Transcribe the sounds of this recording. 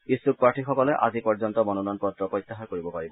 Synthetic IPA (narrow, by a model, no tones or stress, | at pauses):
isuk̚paʈʰixɔkɔlɛʔa̰zipɔɹzɔnt̪ɔmɔnunɔnpɹɔd̪ɹɔpɹɔjt̪ːaɦaɹkoɹibɔpaɹibɔ